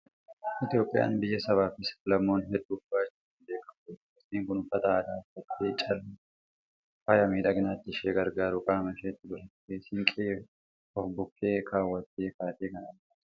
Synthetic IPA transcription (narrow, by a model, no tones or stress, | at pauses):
ʔɪt̪ɪjo̞ːpʼːɪja̰ːnbɪjːɐsɐβaːfɪslɐmːo̞ːnɦɛd̪ːuːbaːt͡ʃːuʊnd̪eːkʼːɐmet̪ːɪsiːŋkʊnʊfɐt̪ɐːd̪aːfɐt̪ːeːt͡ʃʼɐlː | fɐjɐmiːᶑɐɡnaːt̪ːɪʃeːɡɐɾɡaːɾʊkʼaːmɐʃeːt̪ːɪbʊɾɐt̪ːesɪŋkʼeː | ɔfbʊkːeːkʰaːwːɐt̪ːeːkaːt̪eːkɐnɐn